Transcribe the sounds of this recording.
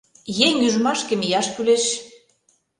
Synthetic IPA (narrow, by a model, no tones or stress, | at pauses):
jeŋyʒmɑʃkĕmijɑʃkyleʃ